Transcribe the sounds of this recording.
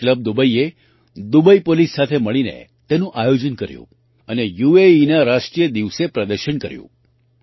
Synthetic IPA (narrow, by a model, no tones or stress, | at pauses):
kləb̚d̪ubəie | d̪ubəipolisːat̪ʰeməɭinḛt̪enũʔajod͡ʒənkəɾjṵ̃ | ənejueinaɾaʂʈɾijəd̪iʋsepɾəd̪əɾʃəɳkəɾjṵ̃